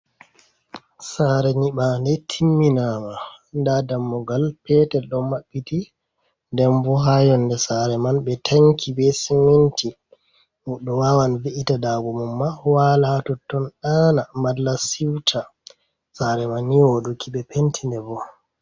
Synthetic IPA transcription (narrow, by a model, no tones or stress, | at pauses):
saɾɛɲiɓandɛtʰimːinamandadamːɔɡalpɛtɛɗɔmaɓːiti | ndɛmbɔɦajɔndɛsaɾɛmanbɛtʰaŋkʰibɛsiminti | muɗɔwawanviʔitadaɡɔmumːawalatɔtːɔnɗaːnamadlasiwtʰa | saɾɛmanːiwodukʰiɓɛpentʰindɛbɔ